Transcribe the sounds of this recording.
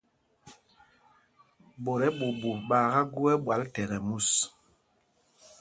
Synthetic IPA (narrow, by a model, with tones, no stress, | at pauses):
bo˨ɾɛ˦ɓu˨bu˨ɓaː˨ɣa˦ɡu˦ɛ˦ɓwa˨ltɛ˨ɣɛ˨mu˦˨s